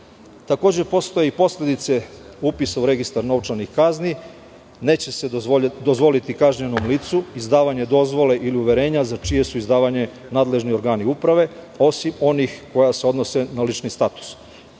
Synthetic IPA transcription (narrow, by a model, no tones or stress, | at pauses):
t̪ako̞ːd͡ʑepo̞st̪o̞jeipo̞slʲe̞d̪it̪se̞upisauɾe̞ɡist̪aɾnotɾanixkazni | ne̞ːt͡ɕe̞sed̪ozʋo̞lit̪ikaʒɲeno̞mliːt̪suizd̪aːʋaɲe̞d̪o̞zʋo̞le̞ʔiliuʋe̞ɾe̞ːɲazat͡ʃije̞suizd̪aːʋaɲe̞ | naːd̪le̞ʒnio̞ɾɡaːniupɾaʋe̞ | o̞simo̞nixko̞jaseo̞d̪no̞se̞nalit͡ʃnist̪at̪u̥s